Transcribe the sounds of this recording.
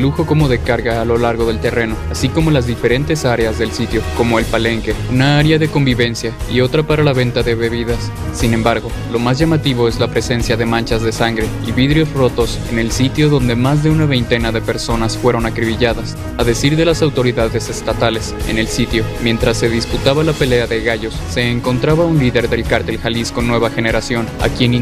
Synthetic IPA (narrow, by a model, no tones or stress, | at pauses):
luxo̞ko̞mo̞ðe̞kaɾɣaːlo̞laɾɣo̞ð̞e̞lt̪ere̞no̞asiko̞mo̞lazðife̞ɾe̞nt̪e̞saɾe̞azðe̞lsit̪jo̞ko̞mo̞e̞lpale̞ŋke̞unaaɾjaðe̞ko̞mbiβe̞nsjaio̞t̪ɾapaɾalaβ̞e̞nt̪aðe̞βe̞β̞iðasː | inẽ̞mbaɾɣo̞ | lo̞mazʝamat̪iβ̞o̞e̞zlapɾe̞se̞nsjaðe̞mãnt͡ʃazðe̞saŋɡɾe̞iβiðɾjo̞zro̞t̪o̞se̞̰ne̞lsit̪jo̞ðo̞nd̪e̞mazðe̞unaβe̞jnt̪e̞naðe̞pe̞ɾso̞nasfwe̞ɾo̞nakɾiβiʝaðas | aðe̞siɾðe̞lasawt̪o̞ɾiðaðe̞se̞st̪at̪ale̞se̞̰ne̞lsit̪jo̞mje̞nt̪ɾasːe̞ðisput̪aβalape̞le̞aðe̞ɣaʝo̞sːe̞ːŋko̞nt̪ɾaβaunliðe̞ɾðe̞lkaɾt̪e̞lxalisko̞nːwe̞β̞axe̞ne̞ɾasjo̞na̰kje̞n